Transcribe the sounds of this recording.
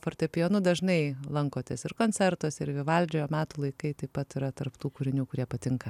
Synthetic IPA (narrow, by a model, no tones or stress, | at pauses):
fɐrt̪ɐɛpʲɪjoːnʊd̪ɐʒnɐɪlˠɐŋkoːt̪ʲɛsɪrkoːnʲt͡sʲɛɾt̪osɪɾʋʲɪʋɐlʲd͡ʒʲoːjoːmʲæːt̪uːlˠɐɪkɐɪt̪ɐɪpɐt̪ɪɾɐt̪ɐrpt̪uːkʊːɾʲɪnʲuːkʊɾʲiɛpɐt̪ʲɪŋkɐ